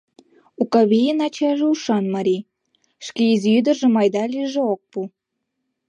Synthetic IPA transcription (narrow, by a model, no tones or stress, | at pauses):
ukɑβijənɑt͡ɕɑʒeuʃɑnmɑɾʲi | ʃkeiziyd̪ərʒĕmɑjd̪ɑliʒeok̚pu